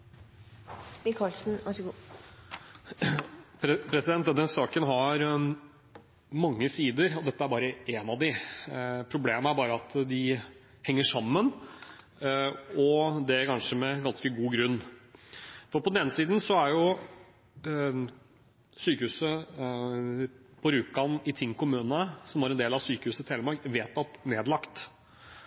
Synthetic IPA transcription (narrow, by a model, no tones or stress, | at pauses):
mɪkʰɑlsn̩ɑɡu | pʰpʰɾɛsɪd̪ɛnt̪̚d̪d̪ɛsɑːkənɦɑɾ | mɑŋːəsiːd̪əɾɔd̪ɛt̪ːəæɾbɑːɾəʔeːnɑʋd̪ɪ | pʰɾʊbleːmæɾbɑːɾəɑt̪d̪ɪ | hɛŋːəʂɑmːən | ɔd̪ɛkʰɑnʂəmɛɡɑnskəɡuːɡɾʉnː | fɔɾpɔd̪ɛnːəsiːd̪n̩sɔæɾjʊ | syːkəhʉːsə | pʰɔɾʉːkɑnɪt̪ʰɪŋːkʰʊmʉːnənəsɔmʋæɾɛnd̪eːlɑʋsyːkəhʉːsət̪heːləmɑɾɡʋeːt̪ɑt̪neːd̪lɑkt̪